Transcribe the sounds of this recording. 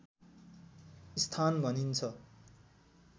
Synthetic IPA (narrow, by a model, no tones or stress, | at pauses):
ist̪ʰanbʱʌnint͡sʰʌ